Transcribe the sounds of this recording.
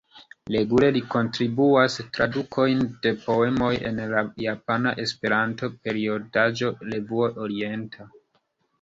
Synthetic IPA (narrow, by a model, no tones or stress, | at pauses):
le̞ɡule̞liko̞ntɾibuastɾadukʰo̞jnde̞po̞e̞moje̞̰nlajapanaʔe̞spe̞ɾanto̞pe̞ɾio̞dad͡ʒo̞levuoʔoɾie̞ntʰa